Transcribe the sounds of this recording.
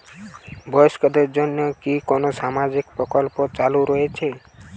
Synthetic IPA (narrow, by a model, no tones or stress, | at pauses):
bʱɔskad̪eɾd͡ʒonjɔkikɔnosamad͡ʒikpɾɔkɔlpot͡ʃaluɾɔet͡ʃʰe